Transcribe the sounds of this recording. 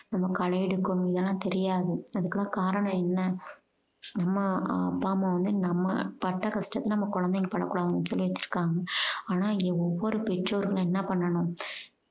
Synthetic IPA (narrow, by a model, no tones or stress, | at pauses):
nɐmːɐkɐɻɐjɽɯkːɐɳʊ̃ɪðɛlːãːt̪ɛɾɪjaːðɯɐðɯkːɐlːãːkaːɾɐɳɐ̃ɛnːɐ | nɐmːɐɐpːaːmɐ̃ʋɐnd̪ɯnɐmːɐ̰pɐʈːɐkɐsʈɐt̪ːɐnɐmːɐkɔɻɐnd̪ɛŋɡɛpɐɽɐ̰kːuːɽaːðɐŋɡɐnsɔlːiʋɐt͡ʃːɪ̥ɾɯ̥kːaːŋɡɐaːnaːɪɔʋːɔɾɯpɪʈɾoːɾɣɐɭɛnːɐpɐɳːɐɳʊ̃